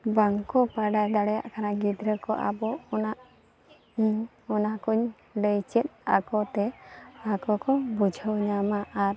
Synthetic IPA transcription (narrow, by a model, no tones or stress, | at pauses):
baŋkɔpaɖajd̪aɽɛja̰ʔkʰanaɡid̪ɾəkɔ̰ʔa̰bɔɔnaʔ | iɲ | ɔnakuɲ | ləjt͡ʃɛt̪̚a̰kɔt̪ɛakɔkɔbud͡ʒʱəwɲamaʔaɾ